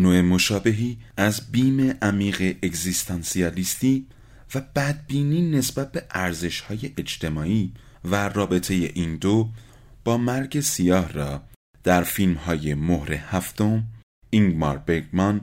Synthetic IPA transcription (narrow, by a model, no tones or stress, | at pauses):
noemo̞ʃɒːbe̞ɦiːæzbiːme̞ʔæmiːɣeʔeɡzist̪ʰɑnsiɒːlist̪iː | væb̥æd̪̚biːniːne̞sb̥æt̪̚be̞ʔæɾze̞ʃhɒːje̞ʔet͡ʃt̪ʰe̞mɒːiː | værɒːbe̞t̪ʰe̞je̞ʔind̪o | b̥ɒːmæɾɟe̞sijɒːhrɒː | d̪̥æɾfilmhɒːje̞mohɾe̞hæft̪o̞m | iŋɡmɑ̰ɾbeɡmɒn